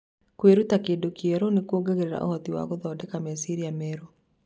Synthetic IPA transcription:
kweɾutakedokiɛɾɔnekwoɡaɣeɾeɾa̰ʔo̰hɔtiwa̰ɣoðɔːdɛkamɛsiɾiamɛːɾo

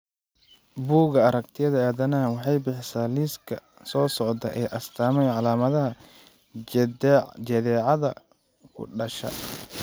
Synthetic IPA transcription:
buːɣɐɐɾɐk̚t̪ʰɪjɐðɐaːðɐnɐwɑħɑjbɪħɪsaːliːskʰɐ | sɔːsɔʕd̪ɐʔɛːʔɐst̪ʰaːmɛjʕɑlaːmɐðɐɦɐ | d͡ʒɐðɛːʕɑðɐ̰ | kʰʊ̰ɖɐʃɐ̰

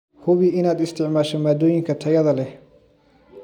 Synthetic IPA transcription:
hʊβɪʔɪnaːd̪ɪst̪ʰɪʕmaːʃɐmaːd̪ɔːjɪŋkʰɐt̪ʰɐjɐðɐlɛ

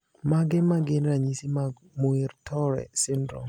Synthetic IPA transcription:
maɡɪmaɡɪnɾaɲisima | moiɾtʰɔɾɛ̰sɪndɾɔ̰

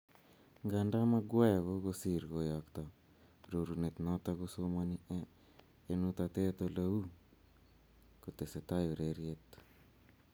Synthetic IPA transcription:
ŋɡandamaɡwajkokosiɾɡojɔkt̪ɔ | ɾoɾunet̪nɔt̪akosomaniʔɛː | nut̪at̪et̪olau | kot̪eset̪ajoɾeɾjet̪

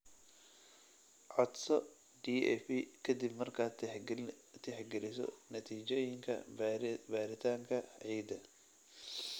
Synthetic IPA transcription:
ʕɔd̪sɔ | ɖiːɛ̰fikʰɐd̪ibmɐrkʰaː | t̪ʰɛħɡɛlɪsɔ̰nɐt̪ʰiːt͡ʃɔjɪŋkʰɐ̰baːɾɪt̪ʰaːŋkʰɐʕiːd̪ɐ

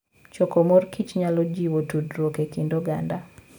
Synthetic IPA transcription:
t͡ʃɔkɔmɔrkʰit͡ʃɲalɔd͡ʒiwotudɾwokekindoɡa̰nda

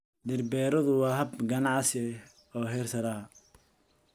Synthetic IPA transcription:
d̪ɪrbɛːɾɔðʊwɑːɦɐbɡɐnɑʕsɛ | ɔːɦɛrsɐɾaː

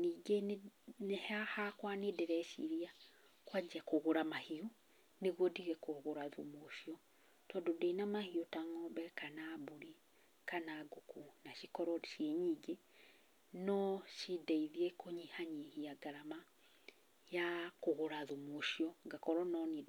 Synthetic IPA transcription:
niɡenɛhahakwanedɛɾɛʃḭɾia | kwad͡ʒakoɣoɾamahiu | neɣwɔdiɣɛkoɣoɾaðṵmoʃiɔ | tɔːdodeinamahiotaŋɔbɛkanabuɾi | kanaɡokunaʃikɔɾɔdiʃieɲiːɡe | nɔʃideiðiekoɲihaɲihiaɡaɾama | jakoɣoɾaðumoʃiɔŋɡakɔɾɔnɔnid

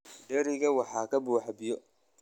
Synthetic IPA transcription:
ɖɛɾɪɣɐwɑħɑːkɐbuːħabɪjɔ

